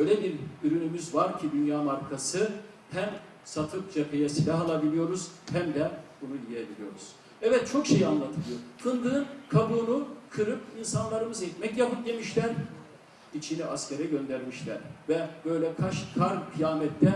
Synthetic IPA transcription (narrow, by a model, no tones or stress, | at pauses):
bøjlʲɛbiɾyɾynymyzvaɾcʰid̪ynjaːmaɾkʰasɯ | hæm | sat̪ʰɯp̚d͡ʒapʰejasilʲaɦalˠabilʲijo̞ɾuz̥hæmd̪ɛbunuijebilʲijo̞ɾuz̥ | ɛvɛt̪̚t͡ʃʰo̞kʃe̞jianlˠat̪ʰɯlˠɯjo̞kʰɯnd̪ɯːnkʰabuːnukʰɯɾɯpinsanlˠaɾɯmɯzɛt̪mɛcjapɯp̚d̪e̞miʃlʲæɾ | it͡ʃʰiniʔasceɾɛɟø̞nd̪æɾmiʃlʲæɾvɛbø̞jlʲɛkʰaʃkʰaɾmkʰɯjaːmɛt̪ʰːɛ